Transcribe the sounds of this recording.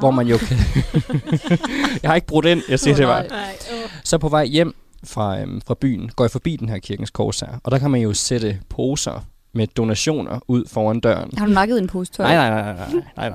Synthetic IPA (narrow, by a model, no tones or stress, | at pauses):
ʋɒmænjo̝kʰæ | jɑhɑ̈eɡ̥əb̥ʁɔd̥e̝n̰jɑ̈ɪsiɐd̥e̝ʋɑ | sɒ̽pʰɒ̽ʋɑ̈ɪ̰jem̰fʁɑ̈fʁɑ̈b̥y̰ːn̩ɡ̥ɒ̰jɑ̈fɒ̽b̥ḭːd̥enɦæɐ̰kʰiɐɡ̥n̩skʰɒ̰ːsæ̰ɐ̰ɒ̽d̥ɑ̈kʰæmænjo̝seɾ̥əpʰo̝ːsɐ̰ | med̥o̝næɕo̝̰ːnɐ̰uð̞̰ˠfɒːænd̥ɶ̰ɐn̩hɑd̥umɑ̈ɡ̥əð̩ˠenpʰost͡sʰnɑɪ̰nɑ̈ɪ̰nɑɪnɑɪnɑnɑ̰ɪ̰nɑ